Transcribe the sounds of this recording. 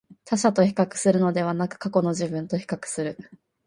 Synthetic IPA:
t̪aɕat̪o̞çi̥kakɯ̟̥sɨɾɯ̟no̞d̪e̞β̞anakɯ̟̥kako̞no̞ʑibɯ̟̃nt̪o̞çi̥kakɯ̟̥sɨɾɯ̟

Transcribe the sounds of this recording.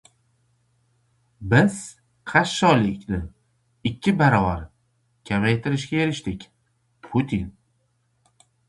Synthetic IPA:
bɪz̥ | qʰaʃːɒlɪkʲnɪ | ɪkʲʰːɪbaɾɒvaɾ | kʲʰamajt̪ʰɪɾɪʃɡʲajeɾɪʃt̪ɪkʲ | pʰʊt̪ʰin

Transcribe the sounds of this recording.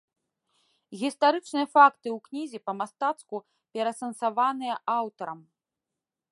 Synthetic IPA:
ɣʲist̪aɾɨt͡ʂnɨjɐfakt̪ɨwknʲizʲipɐmast̪at̪sku | pʲɛɾɐsɐnsavanɨjɐʔawt̪ɐɾɐm

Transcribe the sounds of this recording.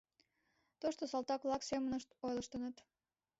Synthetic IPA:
t̪oʃt̪osɑlˠt̪ɑklˠɑksemənəʃt̪ojləʃt̪ənət̪

